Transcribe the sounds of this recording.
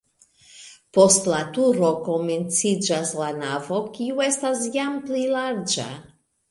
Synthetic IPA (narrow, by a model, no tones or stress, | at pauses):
po̞stlatuɾo̞ko̞ment͡sid͡ʒaslanavo̞kiue̞stas̬jamplilaɾd͡ʒa̰